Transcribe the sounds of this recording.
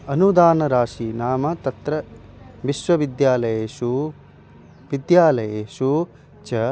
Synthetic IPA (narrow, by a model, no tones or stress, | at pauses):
ɐnud̪aːnɐɾaːʃiːnaːmɐt̪ɐt̪ɾɐ | ʋiʃʋɐʋid̪jaːlɐjeːʃu | ʋid̪jaːlɐjeːʃu | t͡ʃɐ